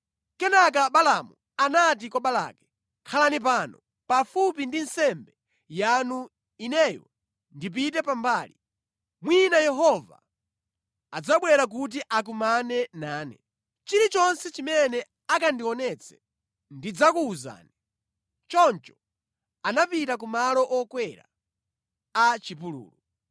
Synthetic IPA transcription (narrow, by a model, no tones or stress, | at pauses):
kɛnak̬aɓalamṵ | anat̬ikɔɓala̰ːkɛ̥ | kʰalanip̬anɔ | pafup̬indinsɛmbɛ | janu | inɛjɔ̰ | ndip̬itɛpambaːli | mwinajɛɦɔva̰ | ad͡zaɓwɛɾak̬ut̬iʔak̬umanɛnaːnɛ̰ | t͡ʃiɾit͡ʃɔnsɛt͡ʃimɛnɛ | akandiɔnɛt͡sʰɛ̥ | ndid͡zakuːza̰ːnɛ | t͡ʃɔnt͡ʃɔ̥ | anapitak̬umalɔʔɔkwɛɾa̰ | at͡ʃipulṵːlu